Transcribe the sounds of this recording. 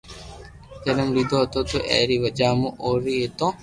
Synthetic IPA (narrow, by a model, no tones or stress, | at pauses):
d͡ʒənəmlid̪oːɦt̪oːt̪uʔɛ̰ːɾiːʋəd͡ʒaːmũʔoːɾiːɦet̪õː